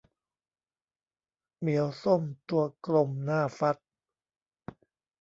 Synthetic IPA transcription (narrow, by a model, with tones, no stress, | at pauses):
mi˨˩˦əwso˥˩mt̪u˧ɐklo˧mnaː˥˩fa˦˥t̪̚